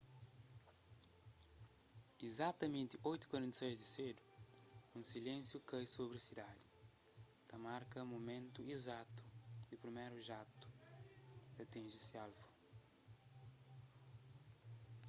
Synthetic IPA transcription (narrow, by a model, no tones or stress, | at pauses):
izat̪ɐmẽnt̪iʔojt̪u̥kwɐɾẽnt̪ɐsejzd̪ised̪uũsilẽnsjukɐjsobɾɐsid̪ad̪ɪ | t̪ɐmaɾkɐmumẽnt̪uizat̪u̥d̪ipɾimejɾuʒat̪u̥ | ɐt̪ĩnʒisialfu̥